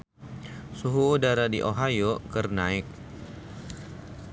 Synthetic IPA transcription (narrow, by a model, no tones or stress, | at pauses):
suɦuːdaɾadḭʔoɦajokərnaɪk̚